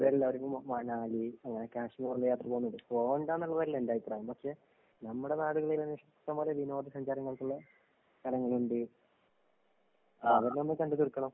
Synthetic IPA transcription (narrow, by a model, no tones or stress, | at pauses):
ʋeːɾɐlːaɐɾupːɐmmɐɳaːliɐŋːɐnekaːʂmiɐruɭːɐjaːt̪rɐpo̞ːunːuɳɖɨpoːɣɳɖaːnːuɭːɐʋɐɾilendaːjipːraːjɐmpɐkʂe̞ | nɐmːuɽe̞naːɽuɣɐɭilɐnʋiʂɐkt̪ːɐmboːleʋino̞ːd̪isɐɲd͡ʑaːɾɐŋːɐɭkuɭːɐ | k̪ɐlɐŋːɐɭuɳɖɨ | ɐʋɐɾnonːɨkɐɳɖut̪urkːɐɳɐm